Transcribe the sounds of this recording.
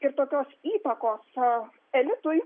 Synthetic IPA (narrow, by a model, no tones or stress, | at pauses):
ɪɾt̪oːkʲoːsiːt̪ɐkoːs | ɛlʲɪt̪ʊj